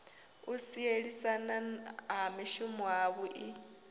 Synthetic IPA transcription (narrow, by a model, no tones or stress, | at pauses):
usieɺisanaɦamiʃumɔaβuʔi